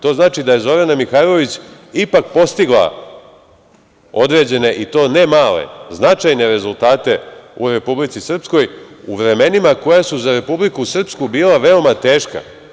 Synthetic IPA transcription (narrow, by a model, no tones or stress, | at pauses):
t̪o̞ːznaːt͡ʃid̪aje̞zo̞ɾanamixajlo̞ʋit͡ɕ | ipak̚po̞st̪iɡlˠa̰ | o̞d̪ɾe̞ːd͡ʑe̞ne̞ʔit̪o̞ːne̞maːle̞̰znat͡ʃajne̞ɾe̞zulˠt̪aːt̪e̞ṵɾe̞publit̪sisr̩psko̞juʋɾe̞me̞nimako̞jasuzaɾe̞publikusr̩pskubiːlˠaʋe̞o̞mat̪eːʃka̰